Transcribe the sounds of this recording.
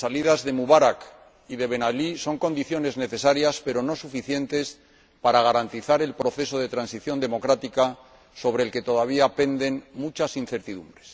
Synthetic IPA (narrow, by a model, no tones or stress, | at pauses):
saliðazðe̞muβaɾak | iðe̞βe̞naliso̞ŋko̞nd̪iθjo̞ne̞zne̞θe̞saɾjaspe̞ɾo̞no̞sufiθje̞nt̪e̞s | paɾaɣ̞aɾant̪iθaɾe̞lpɾo̞θe̞so̞ðe̞t̪ɾansiθjo̞nd̪e̞mo̞kɾat̪ika | so̞βɾeːlke̞t̪o̞ðaβ̞iape̞nd̪e̞nmut͡ʃasinθe̞ɾt̪iðumbɾe̞̥s